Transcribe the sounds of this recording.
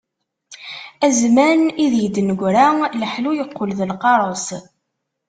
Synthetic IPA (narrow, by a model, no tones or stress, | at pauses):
æzmæniðjəd̪ːnəɡʷɾaləħlujəqːolðəlqɑɾˤos